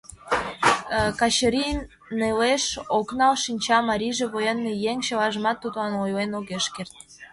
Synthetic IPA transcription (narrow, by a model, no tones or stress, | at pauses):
kɑɕəɾinː | eleʃoknɑlʃinʲt͡ɕɑmɑɾʲiʒeβojenːijeŋt͡ɕəlɑʒəmɑt̪ːud̪ɑnojlenoɣeʃkert̪̚